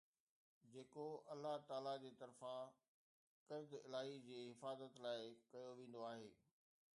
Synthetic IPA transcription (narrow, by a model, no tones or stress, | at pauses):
d͡ʑeːkoɐlːaɦt̪aːlad͡ʑeːt̪ɐɾfã | kɐɾd̪ɪlaːɦid͡ʑeːɦɪfaːzət̪laːɪkɐjoʋẽːn̆d̪oaːɦeː